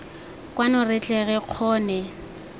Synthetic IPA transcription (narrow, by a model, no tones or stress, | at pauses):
kʼwanɔrɪt͡ɬʼɛɣɛq͡χʰɔːnɛ